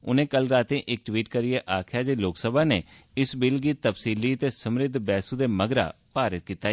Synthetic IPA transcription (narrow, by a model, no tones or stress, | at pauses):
ʊ̰nẽːkəlɾaːt̪ẽːʔɪk̚ʈwiːʈkəɾɪeːʔaːkʰjaːd͡ʒeːloːksəbaːneː | ɪsbɪlɡiːt̪əpsiːliːət̪eːsəmɾɪd̪ʱbɛːsuːd̪eːməɡɾa̰ː | paːɾət̪̚kiːt̪aː